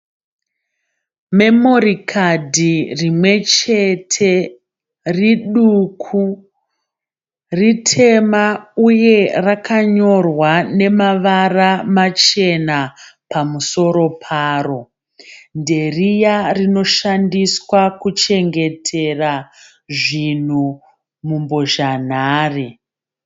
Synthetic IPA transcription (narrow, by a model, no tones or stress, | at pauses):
me̞mo̞rikʰadʱirimwe̞t͡ʃe̞tʰe̞ | riɗukʰu | ritʰe̞mauje̞rakʰaɲo̞rwane̞maʋaramat͡ʃe̞napamuso̞ɾo̞pʰaːro̞ | nde̞rijarino̞ʃandiswakut͡ʃe̞ŋɡe̞tʰe̞ra | ʐin̤u | mumbo̞ʒan̤aːri